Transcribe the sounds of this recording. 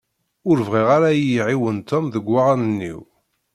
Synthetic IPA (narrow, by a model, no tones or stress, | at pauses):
ʊɾvʁiʁaɾajiʕiwənt̪ɔmðəɡʷːaʁanənːḭw